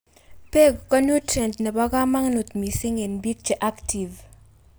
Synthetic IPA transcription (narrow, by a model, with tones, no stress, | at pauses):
pe˦ɡkɔ˦nu˦tɾɛ˨ndnɛ˨bɔ˦ɡa˦ma˦ŋnu˨t̪mi˨sɪ˦ŋe˨nbi˦k̚t͡ʃe˨ʔa˦kti˨v